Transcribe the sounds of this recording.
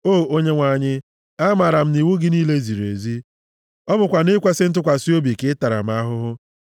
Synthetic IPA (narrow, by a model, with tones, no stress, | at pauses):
oː˦˨o˦ɲe˦ŋʷa˨ɲɪ˦ | a˦ma˨ɾa˨m̩˦ni˨wu˦ɡɪ˦niː˦le˦zi˨ɾḛ˨zi˦ | ɔ˦bʊ˨kʷa˨nɪ˦kʷe˦sɪ˦n̩˦t̬ʊ˦kʷa˨si˦o˦bi˨kɪ˦ɪ˦ta˨ɾa̰˨m̩˨˦a˦ɦʊ˦ɦʊ˦